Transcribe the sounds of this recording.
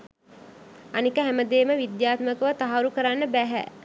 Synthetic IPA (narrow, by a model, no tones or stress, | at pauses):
anikəɦæməd̪eːməʋid̪jaːt̪məkəʋət̪aɦaɾukəɾanːəbæɦæ̰